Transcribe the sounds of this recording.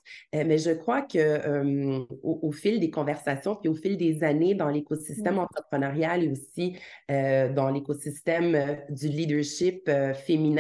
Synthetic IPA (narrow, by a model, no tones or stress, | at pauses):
mɛʒəkχwakəømoʔofɪld̪ekɔ̃vɛʁsasjɔ̃piofɪld̪ezaned̪ɑ̃lekosist̪ɛmɑ̃t̪χəpχənaʁjaleosiød̪ɑ̃lekosist̪ɛmød̪ylid̪əʁʃɪpøfeminɛ̃